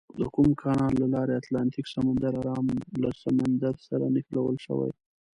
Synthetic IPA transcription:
d̪əkumkʰɑnɑlːalɑɾeat̪lɑnt̪iksamand̪aɾaɾɑmlasamand̪aɾsaɾanɪxlawə̰lʃə̰wa̰j

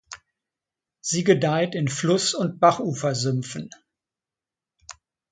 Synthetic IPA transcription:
z̥iːɡədaɪtɪnflʊsʊnt̚b̥aχʔuːfɐzʏmfn̩

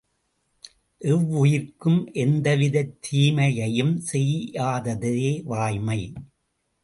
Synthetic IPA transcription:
ʔɛʋːʊjɪɾkɯmʔɛnd̪ɐʋɪðɐɪt̪ʰːiːmɐjɐjɯmsɛjaːðɐðɯeːʋaːjmɐɪ

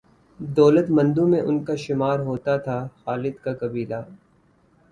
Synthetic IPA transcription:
d̪ɔːlət̪mɐ̃nd̪ũmẽʔʊnkaʃɪmaːɾɦoːt̪at̪ʰaxaːlɪd̪kakɐbiːla

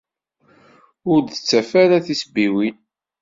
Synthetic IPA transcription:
ʊɾd̪ət͡sːæfæɾaθisbiwin

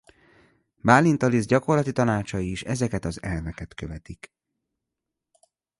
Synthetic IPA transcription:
baːlint̪olizɟɒko̞rlɒt̪it̪ɒnaːt͡ʃɒjiiʃɛzɛkɛt̪ɒzɛlvɛkɛt̪kø̞vɛt̪ik

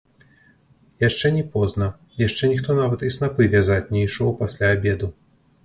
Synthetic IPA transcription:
jaʂt͡ʂɛnʲɛpɔznɐ | jaʂt͡ʂɛnʲixt̪ɔnavɐt̪isnapɨvʲazat͡sʲnʲɛiʂɔwpasʲlʲaːbʲɛd̪u

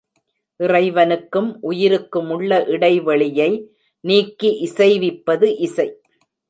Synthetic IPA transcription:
ʔɪrɐɪʋɐnɯkːɯmʔʊjɪɾɯkːɯmʊɭːɐʔɪɽɐɪʋɐɭɪjɐɪ | niːkːiʔɪsɐɪʋɪpːɐðɯʔɪsɐɪ

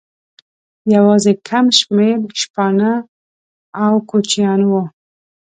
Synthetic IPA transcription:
jawɑzekʰamʃmeɾʃpɑna | awkot͡ʃjɑnwo

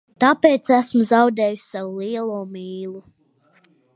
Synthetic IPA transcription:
t̪apeːt̪sæsmuzawd̪ɛːjusʲsawuliɛlˠuːmiːlˠu

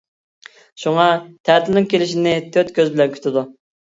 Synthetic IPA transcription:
ʃuŋɑt̪ʰæt̪ʰɪnɪŋkʲʰelɪʃinɪt̪ʰøt̪kʲʰøzbɪlɛnkʲʰy̥t̪ʰɪd̪u

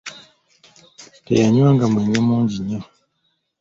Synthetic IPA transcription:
tḛjaɲwaːŋɡamweɲamuːɲɟiɲa

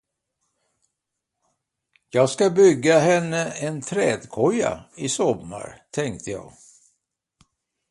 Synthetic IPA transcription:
jɑːɡskabʏɡːaɦɛnːəɛnt̪ʰɾɛːd̪kʰɔja̰ɪsɔmːa̰ɾt̪ʰɛŋk̚t̪əjɑ̰ːɡ

